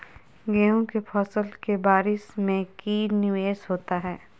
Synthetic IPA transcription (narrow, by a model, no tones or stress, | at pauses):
ɡɛːõkepʰɔːsəlkebaːɾɪsmẽkiːɾnɪʋeːsɦoːt̪aɦɛː